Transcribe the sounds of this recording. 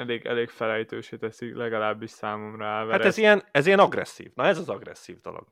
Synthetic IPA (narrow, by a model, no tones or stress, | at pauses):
ɛleːɡɛ̰leːkfɛlɛjt̪øːʃeːt̪ɛsilɛɡɒlaːbːiʃsaːmo̞mrɒaːlvɛhaɾɛzijɛnɛzijɛnɒɡrɛ̰sːḭːvnɒɛzɒzɒɡrɛ̰sːiːvd̪o̞lo̰ɡ̥